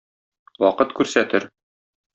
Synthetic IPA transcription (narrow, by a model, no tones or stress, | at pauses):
wɒqɤt̪kʉɾsæt̪ɘɾ